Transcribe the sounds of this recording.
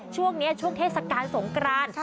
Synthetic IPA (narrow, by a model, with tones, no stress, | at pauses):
t͡ɕʰu˥˩əŋni˦˥ɐt͡ɕʰu˥˩ŋt̪ʰeː˥˩t̚sa˧kaː˧nso˩˦ŋkʰɾaː˧n